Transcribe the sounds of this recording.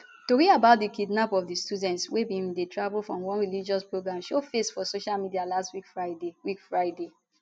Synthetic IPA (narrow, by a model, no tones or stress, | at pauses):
toɹiabaʊt̚dikidnapɔfdistudɛ̃ntswebĩmdetʰɹavlfɹɔ̃mwɔ̃nɹilid͡ʒɔspɹoɡɹãmʃofesfɔsoʃalmidialastwikfɹadewikfɹaɪde